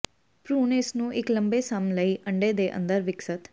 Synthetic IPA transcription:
pɾuːnɪsnũːʔɪkləmbeːsaːmnləiːʔə̃ɳɖeːd̪eːʔə̰̃nd̪əɾʋɪksət̪

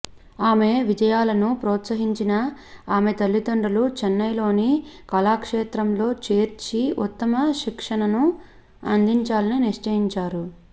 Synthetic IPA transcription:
aːme̞ʋid͡ʒɐjaːlɐnupɾɔːt̪sɐɦiɲt͡ʃinɐ | aːme̞t̪ɐlːit̪oɳɖɐlut͡ʃɛnːɐjlo̞ːnikɐlaːkʂeːt̪ɾɐmlo̞ːt͡ʃe̞ːɾt͡ʃiut̪ːɐmɐʃikʂɐnɐnu | ɐ̰nd̪iɲt͡ʃaːlɐniniʂt͡ʃɐjiɲt͡ʃaːɾu

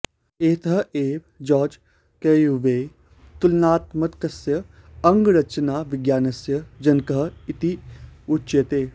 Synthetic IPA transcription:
eːt̪ʰɐɦeːʋd͡ʒɔːd͡ʒ | kejuʋeː | t̪ulnaːt̪mɐt̪kɐsjɐ | ɐŋɡɾɐt͡ʃɐnaːʋɪɡjaːnɐsjɐd͡ʒɐnkɐɦit̪iutːʃet̪eː

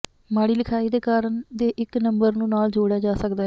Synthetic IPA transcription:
maːɽiːlɪkʰaːiːd̪eːkaːɾəɳd̪eːʔɪknəmbəɾnũːnaːld͡ʒoːɽjaːd͡ʒaːsəkd̪aːɦ

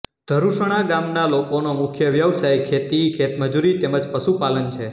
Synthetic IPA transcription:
d̪̥ʱəɾuʃəɽ̃aɡamnalokonomʊkʰjəʋjəʋsajkʰet̪ikʰet̪məd͡ʒuɾit̪eməd͡ʒpəʃupalənt͡ʃʰe

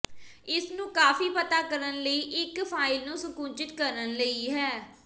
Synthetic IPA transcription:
ɪsnũːkaːfiːpət̪aːkəɾənləiːʔɪkpʰaːɪlnũːsʊkũːnt͡ʃɪt̪kəɾənləiːɦɛː

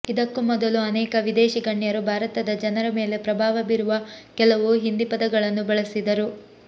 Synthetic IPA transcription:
id̪ɐkːumɔd̪ɐluɐnɛːkɐʋid̪ɛːʃiɡɐɳːjɐɾubʱaːɾɐt̪ɐd̪ɐd͡ʒɐnɐɾɐme̞ːle̞pɾɐbʱaːʋɐbiɾuʋɐkɛlɐʋuɦind̪ipɐd̪ɐɡɐɭɐnːubɐɭɐsid̪ɐɾu

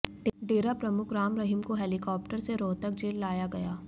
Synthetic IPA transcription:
ɖɖeːɾapɾɐmʊkɾaːmɾɐɦɪmkoɦɛːlɪkɔːp̚ʈəɾseɾoːt̪ək̚d͡ʒeːlːaːjaɡɐjaː

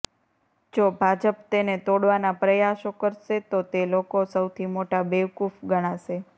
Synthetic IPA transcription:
d͡ʒobʱad͡ʒəpt̪enet̪oɽʋanapɾəjaʃokəɾʃet̪ot̪elokosəwt̪ʰimoʈabeʋkufɡəɽ̃aʃe

